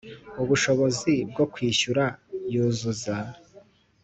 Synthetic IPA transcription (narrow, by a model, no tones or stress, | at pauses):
uβuʃo̞βo̞zib̚ɡo̞kwiːʃuɾajuːzuza